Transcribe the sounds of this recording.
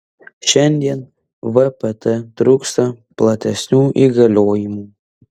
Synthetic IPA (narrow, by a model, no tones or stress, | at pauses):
ʃʲɛnʲd̪ʲiɛn | ʋɛpɛt̪ɛt̪ɾuːkst̪ɐplˠɐt̪ʲɛsʲnʲuːʔiɡɐlʲoːjɪmuː